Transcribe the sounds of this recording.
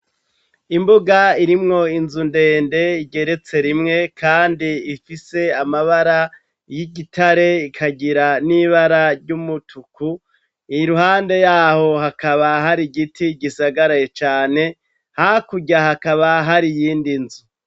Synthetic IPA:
imbuɡaiɾimŋo̞inzunde̞ːnde̞iɟe̞ɾe̞t͡se̞ɾimŋe̞kʰaːndiifise̞amaβaɾa | jiɟitʰaɾe̞ikʰaɟiɾaniβaɾaɾɟumutʰuku | ijɾuhaːnde̞jaːho̞ɦakaβaɦaɾiɡitʰiɟisaɡaɾajet͡ʃaːne̞ | hakuɟahakaβaɦaɾijiːndinzu

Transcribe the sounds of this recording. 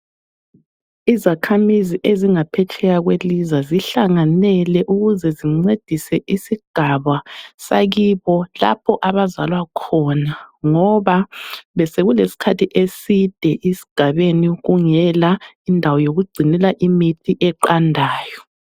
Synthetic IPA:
izakʰamiziʔeziŋapʰɛtʰɛɣaɣwelizaziɬaŋanɛlɛʔuɣuzɛziŋ͡ǀed̥ʱisɛʔisiɡ̥ʱaβasaɣiβɔla̰pʰɔʔaβazalwakʰɔnaŋɔβaβɛseɣulesi̥kʰatʰiʔesid̥ʱɛʔisi̥ɡ̥ʱaβeniɣuŋɛlaindʱawɔjoɣuɡ͡ǀʱinɛlaʔimitʰiʔɛǃandʱaːjɔ

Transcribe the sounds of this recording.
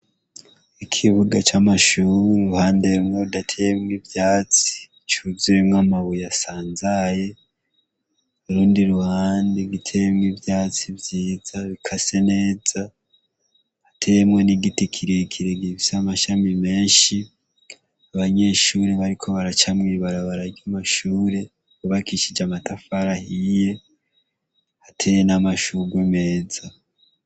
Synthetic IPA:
ikʰiβuɡat͡ʃamaʃuːɾiɾuhaːndemŋodatʰejemŋivjaːt͡si̥ | t͡ʃuzemŋamaβujasaːnzaje̞ | uɾuːndiɾuhaːndiɡitʰe̞jemŋivjaːt͡sivjiːzaβikʰase̞ne̞ːza | hatʰemwe̞niɡitikʰiɾekʰiɾeɡiβisamaʃamime̞ːnʃi | aβaɲe̞ʃuːɾeβaɾikʰo̞βaɾat͡ʃamŋiːβaɾaβaɾaɾjamaʃuːɾe̞ | uβakiʃid͡ʒamatafaɾahije̞ | hatʰe̞jenamaʃuɡweme̞ːza

